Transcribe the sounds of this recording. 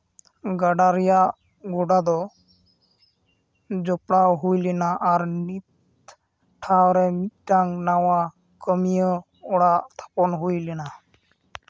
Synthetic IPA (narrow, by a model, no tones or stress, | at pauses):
ɡaɖaɾɛjaʔ | ɡɔɖad̪ɔ | d͡ʒɔpɽawɦujlɛnaʔaɾnit̪ | ʈʰawɾɛmit̪̚ʈaŋnawa | kəmijə | ɔɽaʔt̪ʰḁpɔnɦujlɛna